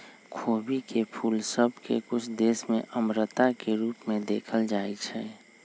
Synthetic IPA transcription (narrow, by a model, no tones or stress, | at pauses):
kʰoːbikepʰuːlsəbʱkḛkʊt͡ʃʰd̪eːsmḛ̃ʔəmɾət̪akeɾuːpmẽd̪eːkʰəld͡ʒaːit͡ʃʰɛ